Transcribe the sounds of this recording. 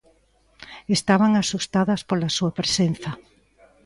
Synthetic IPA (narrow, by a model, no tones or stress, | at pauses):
est̪aβaŋasust̪aðɐspolasuapɾesen̟θɐ